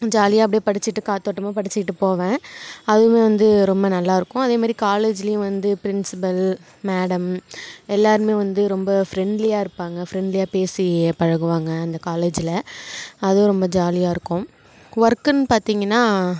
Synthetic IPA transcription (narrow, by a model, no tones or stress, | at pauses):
d͡ʒaːlɪjaːɐp̬ːɐɽijpɐɽɪt͡ʃːɪʈːɯkaːt̪ːoːʈːɯmaːpɐɽɪt͡ʃːɪkɪʈːɯpoːʋẽːɐðɯmeːʋɐnd̪ɯɾɔmbɐnɐlːaːɪɾɯkːʊ̃ɐðeːmaːd̪ɾikaːleːd͡ʒɪlɐjʊ̃ʋɐnd̪ɯpɪɾɪnsɪpɐl | meːɽɐmɛlːaːɾɯmeːʋɐnd̪ɯɾɔmbɐfɾɛɳɖlɪjaːɪɾɯpːaːŋɡɐfɾɛɳɖlɪjaːpeːsipɐɻɐɣɯʋaːŋɡɐɐnd̪ɐkaːleːd͡ʒɪlɐɐð̃ɾɔmbɐd͡ʒaːlɪjaːɪɾɯkːʊ̃ | ʋɐɾkɐnpaːɾt̪iːŋɡɐnːaː